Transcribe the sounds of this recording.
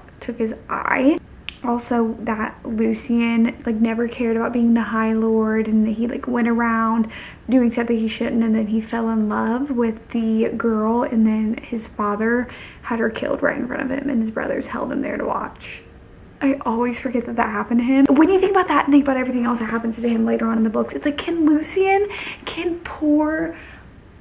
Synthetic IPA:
tʰʊkhɨzʔa̰ɪ | ʔɔlˠsoʊðɨt̚lʉsiɨ̃nlaɪk̚nɛvə˞kʰɛɹɾɨbaʊt̚biɪ̃ŋðɨhaɪlɔɹɾɨ̃nɨ̃ila̰ɪkwɛ̃ɾ̃ə˞ãʊ̃n | dʉɪ̃ŋsʌ̃θɨ̃hiʃʊdⁿn̩tɨ̃nðɨ̃nifɛlˠə̃nlʌvwɪðɨɡɜ˞lˠɨ̃nðɨ̃nɨz̥fɑðə˞ɨɾ̚ə˞kʰɪ̰lˠd̚ɹa̰ɪɾɨ̰̃nfɹʌ̰̃ñʌ̰v̥ɨ̰̃mɨ̰̃nɨzbɹʌ̰ðə̰˞z̥hɛ̰lˠd̚ɨ̰̃mðə̰˞ɾə̰wɑ̰t͡ʃ | ʔaɪʔɔlˠwiz̥fə˞ɡɛt̪̚ðɨt̪̚ðɨ̰t̚hæpn̩tɨɪ̃mwɨ̃njɨθɪ̃ŋkəbaʊt̪̚ðɨɾ̃n̩θɪ̃kəbaʊɾɛvɹiθɪ̃ŋɛlˠsɨt̚hæpɨ̃n̩z̥tʰɨɨ̃mleɪɾə˞ɑ̃ñnðəbʊksɨtslaɪkʰɪ̃nlʉsiɨ̃nkʰɪ̃npʰuɹ

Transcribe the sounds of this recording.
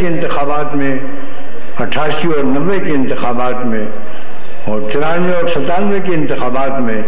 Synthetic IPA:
keɪ̃nt̪ɪxaːbaːt̪mẽ | ɐʈʰaːsiɔːɾnɐʋːekeɪ̃nt̪ɪxaːbaːt̪mẽ | ɔːɾt̪ɪɾaːneɔːɾsɐt̪aːnʋekeɪ̃nt̪ɪxaːbaːt̪mẽ

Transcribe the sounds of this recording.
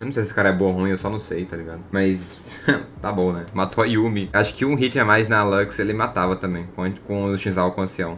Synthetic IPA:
ñsejsesɪkaɾɐɛboɐhũĩewsɔnɐ̃w̃sejt̪aliɡad̪ʊmɐjs | t̪abõnɛmat̪ʰoiumiaʃʊ̥kɪũɦit͡ʃamajznɐalɛkselɪmat̪avɐt̪ɐ̃mbẽj̃kkõʊʃĩzawkõɐ̃siɐ̃w̃

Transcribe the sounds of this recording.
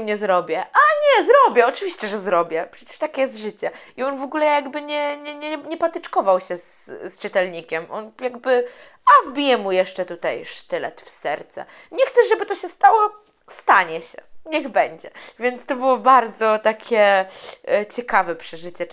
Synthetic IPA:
mɲɛzɾɔbʲjɛʔaɲɛzɾɔbʲjɛɔt͡ʂɘvʲiɕt͡ɕɛʐɛzɾɔbʲjɛpʂɛt͡ɕɛ̥ʂt̪akʲɛjɛst̪ʐɘt͡ɕɛ | iɔnvɔɡulɛjaɡbɘɲɛɲɛɲɛɲɛpat̪ɛt͡ʂkɔvawɕɛsst͡ʂɨt̪ɛlɲikʲɛmʔɔnjaɡ̚bɘ | avbʲijɛmujɛʂt͡ʂɛt̪ut̪ajʂt̪ɘlɛ̰t̪fsɛɾt̪sɛ̰ | ɲɛxt̪sɛʐɛbɘt̪ɔɕɛst̪awɔ | st̪aɲɛɕɛ̰ɲɛɣbɛɲd͡ʑɛvʲjɛnt̪st̪ɔbɘwɔbaɾd̪zɔt̪akʲʰɛ | t͡ɕɛkavɛpʂɛʐɘt͡ɕɛ

